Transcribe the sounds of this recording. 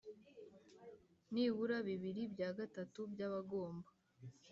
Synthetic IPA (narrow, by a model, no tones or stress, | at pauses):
niβuɾaβiβiɾibjaːɡatatubjaβaɡo̞ːmba